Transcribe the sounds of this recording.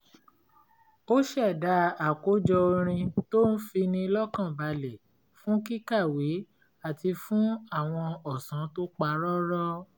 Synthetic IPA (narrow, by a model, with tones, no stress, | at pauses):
o˦ʃɛ˦˨da˨˧˦a˨ko˨˦d͡ʒɔ˧o˧ɾ̃ĩ˧to˦n̩˦fi˧nĩ˧lɔ˦kã˦˨ba˧le˨ | fũ˦ki˦ka˦˨wi˨˦ | a˦˨ti˧fũ˦a˦˨w̃ɔ̃˧ɔ˨sã˨˦to˦k͡pa˧˦ɾɔ˦ɾɔ˦